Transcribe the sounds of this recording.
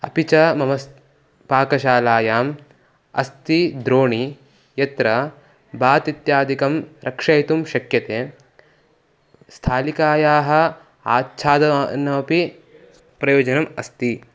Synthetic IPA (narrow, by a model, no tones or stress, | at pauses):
ɐpit͡ʃɐmɐmɐs | paːkɐʃaːlaːjaːm | ɐ̰st̪id̪ɾoːɳi | jɐt̪ɾɐ | baːt̪it̪jaːd̪ikɐmɾɐkʂɐjit̪umʃɐkjɐt̪eː | st̪ʰaːlikaːjaːɦɐ̆ | aːtːt͡ʃʰaːd̪ɐnɐmɐpi | pɾɐjoːd͡ʒɐnɐmɐst̪i